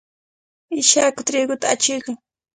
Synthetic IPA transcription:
ɪʃakʊt̪ɾɪɡʊt̪aat͡ʃɪjkaŋ

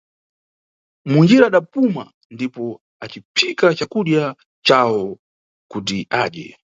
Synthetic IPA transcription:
mind͡ʒiɾaːɗapuma̰ | ndipɔ | at͡ʃipʰikat͡ʃakuɗja | t͡ʃawɔ | kutiʔaːɗɛ̰

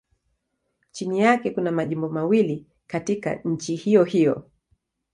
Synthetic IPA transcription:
t͡ʃinijakɛkunamaʄimbɔmawili | katika̰ɲ̩t͡ʃihijɔhijɔ̰

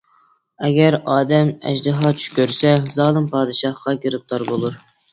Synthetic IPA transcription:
ɛɡʲɛɾɑːd̪ɛmɛ̰ʒd̪ɨɦɑt͡ʃʰy̥kʲøɾsɛzɑːlˠɨmpʰɑːd̪ɨʃɑhqɑkʲiɾɨp̚t̪ʰɑɾbolˠuɾ

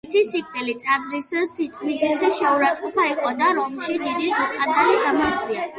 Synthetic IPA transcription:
sisip̚ʰt̪ʰʼɛlit̪sʼad̪zɾissit̪sʼmid̪isiʃɛuɾat̪sʼqʼɔpʰaiqʼɔd̪aɾɔmʃid̪id̪iziskʼad̪aliɡ̪amɔɾd̪zʼvia

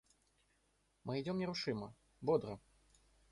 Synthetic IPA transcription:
mɨid͡zʲɔmnʲɛɾuʂɨmɐ | bɔd̪ɾɐ

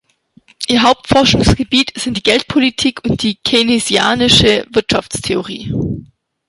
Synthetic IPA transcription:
ʔɪɐɦaʊp̚tfɔɐʃʊŋsɡ̥əbiːtz̥ɪntd̥iːɡɛlt̚pʰolitʰiːkʰʊnt̚d̥iːkʰenezja̰ːnɪʃəvɪɐtʃaft͡stʰeoʁḭː

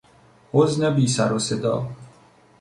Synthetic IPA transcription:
oznɛbiːsaɾosed̪ɒ̰ː

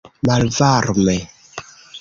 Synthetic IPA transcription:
malvaɾmɛ

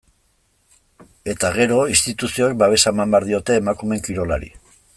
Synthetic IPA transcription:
e̞t̪aɣe̞ɾo̞ist̪it̪usio̞ek̚baβ̞e̞saemambeaɾðio̞t̪e̞ːmakume̞ŋkiɾo̞la̰ɾḭ

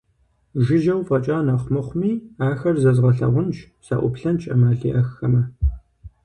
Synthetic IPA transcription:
ʒɪʒɐwfʼɐt͡ʃʼaːnɐχʷʊmɨχʷʊmiːaːxɐrzɐzʁɐɬɐ̰ʁʷʊnʃ | sɐ̰ʔʷʊ̰pɬɐnt͡ʃʼɐmaːɮḭːʔɐxːɐmɐ

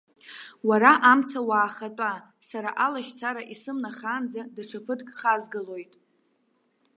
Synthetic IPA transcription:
waɾaʔamt͡sʰawaːχat͡pʼa | saɾa̰ʔalaʃt͡sʰaɾaʔisɨmnaχaːnd͡zadaʈ͡ʂʰapʰɨdkʼχazɡɨlo̞jtʼ

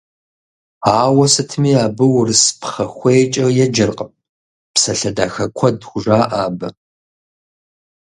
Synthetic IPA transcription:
aːwɐsɨtʰmiːaːbɨwrɨspʰχɐxʷejt͡ʃʼɐwjɛd͡ʒɨrqʼəm | psɐɬɐdaːxɐkʷʰɔdxʷʊʐaːʔaːbɐ

